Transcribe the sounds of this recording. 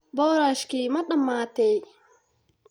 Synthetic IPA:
bɔːɾaːʃkiːmɐɗɐmːaːt̪ɛj

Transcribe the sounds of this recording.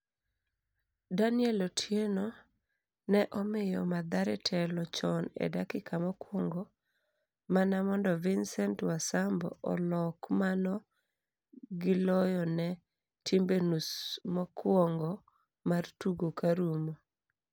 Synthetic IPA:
danɪɛlɔtʰjenɔ | nɛʔɔmɪjɔmad̪aɾɛtʰɛlɔt͡ʃɔnɛ̰dakɪkamɔkwɔŋɡɔ | manamɔndɔvɪnsɛntwasambɔ̰ɔ̰lɔkmanɔ | ɡɪlɔjɔnɛ | tʰimbenusmɔkwɔŋɡɔ | martuɡokaɾumo

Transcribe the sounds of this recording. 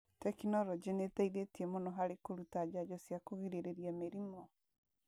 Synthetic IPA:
tɛkinɔɾɔd͡ʑenetaiðetiemonɔɦaɾekoɾutad͡ʑad͡ʑɔsjakoɣiɾeɾeɾiameɾimɔ

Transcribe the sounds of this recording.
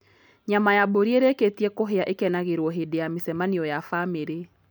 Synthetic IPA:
ɲamajaboɾieɾeketiɛkoɦeaʔekɛnaɣeɾwɔɦedejamesɛmaniɔjafameɾe

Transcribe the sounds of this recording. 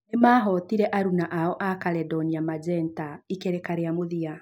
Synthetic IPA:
nemaːɦɔtiɾɛʔaɾunaʔaɔʔakalɛdɔniamad͡ʒɛntaikeɾɛkaɾeamoðia

